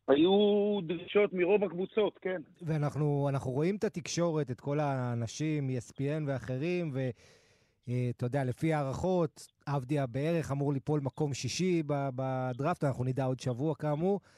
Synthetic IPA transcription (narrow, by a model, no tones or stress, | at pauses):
ajud̪ʁiʃo̞t̪miʁo̞vakvut͡so̞t̪ke̞nveanaχnuanaχnuʁo̞imt̪at̪ikʃo̞ʁe̞tet̪ko̞laːnaʃimjespienve̞aχe̞ʁimve̞ | et̪ajod̪eale̞fiaːʁaχo̞t̪ | avd̪iabee̞ʁe̞χamuʁlipo̞lmako̞mʃiʃibabad̪ʁaft̪anaχnunid̪ao̞d̪ʃavuakamu